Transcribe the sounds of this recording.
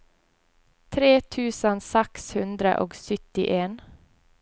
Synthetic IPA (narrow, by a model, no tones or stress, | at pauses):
t̪ʰɾeːt̪ʰʉːsənsɛkshʉnd̪ɾə̰ʔo̰ːɡsʏt̪ɪ̰ʔeːn